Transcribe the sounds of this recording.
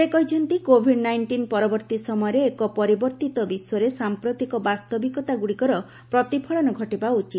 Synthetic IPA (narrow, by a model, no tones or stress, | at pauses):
ekɔjt͡ʃʰɔnt̪ikobʱiɖnajɳʈinpɔɾɔbɔɾt̪isɔmɔjɔɾeːkɔpɔɾibɔɾt̪it̪ɔbisɔɾesampɾot̪ikɔbast̪ɔbikɔt̪aɡuɽikɔɾɔ | pɾɔt̪ipʰɔɭɔnɔɡʱɔʈebaut͡ʃit̪